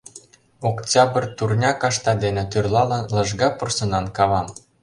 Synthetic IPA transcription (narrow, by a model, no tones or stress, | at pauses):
oktʲɑbərt̪urnʲɑkɑʃt̪ɑd̪enĕt̪yrlɑlɤ̆nlɤ̆ʒɣɑpŏrsɤ̆nɑnkɑβɑm